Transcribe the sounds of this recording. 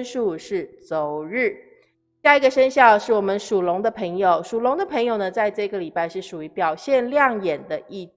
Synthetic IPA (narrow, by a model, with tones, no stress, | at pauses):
nʂu˥˧ʂɻ̩˥˩t͡so˨˩ʊɻ̩˥˩ | ɕja˥˩i˥ɡə˧ʂə˥nɕjɑ˥˧ʊʂɻ̩˥˩wɔ˨˩mə˦nʂu˨˩lʊ˧˥ŋd̪ə˧pʰə˧˥ŋjo˨˩ʊʂu˨˩lʊ˧˥ŋd̪ə˧pʰɤ˧˥ŋjo˨˩ʊnə˩t͡sa˥˧ɪʈ͡ʂɤ˥˩ɡə˩li˨˩pa˥˧ɪʂɻ̩˥˩ʂu˨˩y˧˥pjɑ˨˩ʊɕjɛ˥˧nljɑ˥˩ŋjɛ˨˩nd̪ə˦ʔi˥˩